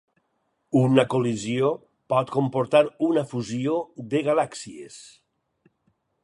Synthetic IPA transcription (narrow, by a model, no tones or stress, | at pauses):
unakolizio | pɔt̪̚kompoɾt̪aɾunafuzioðeɣalaksiḛs